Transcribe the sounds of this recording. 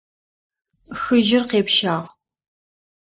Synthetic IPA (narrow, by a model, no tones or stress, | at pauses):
xɨʒɪrqeːpʃaːʁ